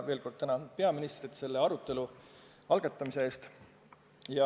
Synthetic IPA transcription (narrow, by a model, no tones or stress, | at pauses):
ve̞ːlko̞rd̪̚t̪ænɑnud̪̥̚pe̞ɑminist̪rit̪se̞lːe̞ɑɾut̪ːˑe̞lu | ɑlɡ̥ɑt̪ːˑɑmise̞e̞ːst̪ | jɑ